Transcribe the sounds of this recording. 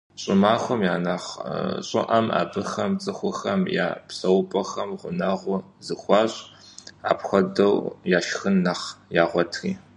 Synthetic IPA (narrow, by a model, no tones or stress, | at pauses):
ɕʼɪmaːxʷɔmjaːnaːχɕʼɪ̰ʔɐma̰ːbɨxɐmt͡sʼɨxʷʊxɐmja̰ːpsɐwpʼɐxɐmʁʷʊnɐʁʷʊ | zɨxʷɑːɕʼ | a̰ːpxʷɔdɐwjaːʃxɨnːaχjaːʁʷɔtʰriː